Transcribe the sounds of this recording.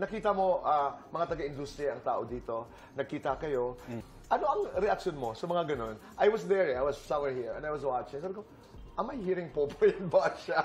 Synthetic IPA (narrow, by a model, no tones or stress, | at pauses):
nɐkiːt̪ɐmo̞ʔamɐŋat̪ɐɡaʔɪnd̪ust̪ɾijɐʔɐŋt̪a̰ːʔo̞d̪iːt̪o̞ | nɐɡ̚kiːt̪ɐkɐjo̞ | ʔɐno̞ʔɐŋɾɛʔɐk̚ʃonmo̞sɐmɐŋaɡɐno̞nʔajwɐsðɛɹajwɐssɐ̃mwɛɹhiɹɛ̰najwɐswat͡ʃɪ̃sɛb̪ko | ʔɐmːɐjhiːɾɪŋpopojɐnbaʃa